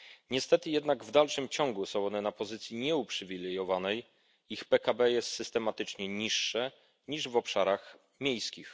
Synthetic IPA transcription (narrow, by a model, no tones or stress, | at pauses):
ɲɛst̪ɛt̪ɘjɛd̪naɡvd̪alʂɘmt͡ɕɔŋɡusɔ̃w̃ɔnɛnapɔzɘt̪sʲjiɲɛupʂɘvʲilɛjɔvanɛj | ixpɛkabɛjɛst̪sɘst̪ɛmat̪ɘt͡ʂɲɛɲiʂːɛ | ɲiʐvɔpʂaɾax | mʲjejskʲix